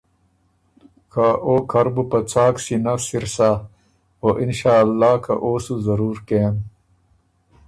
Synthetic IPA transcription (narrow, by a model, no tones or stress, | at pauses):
kʰaʔoːkʰɐɾbupɐt͡saːksinɐsiɾsa | oːʔinɕaːlːaːkʰɐʔoːsuzɐɾuːɾkeːm